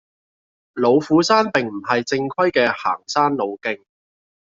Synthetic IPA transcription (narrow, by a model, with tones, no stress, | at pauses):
lo˨˧wfuː˨˥saː˥npɪ˨ŋm̩˨˩ɦɐ˨jt͡sɪ˧ŋkʷʰɐ˥jkɛː˧ha̰ː˨˩ŋsaː˥nlo˨˧wkɪ˧˥ŋ